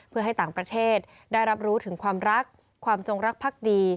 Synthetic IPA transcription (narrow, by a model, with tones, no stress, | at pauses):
pʰɯ˥˩ɐɦa˥˩jt̪aː˨˩ŋpɾa˧t̪ʰeː˥˩t̪̚ | daː˥˩jɾa˦˥p̚ɾuː˦˥t̪ʰɯ˩˦ŋkʰwaː˧mɾa˦˥kʰː | waː˧mt͡ɕo˧ŋɾa˦˥k̚pʰaː˥˩k̚diː˧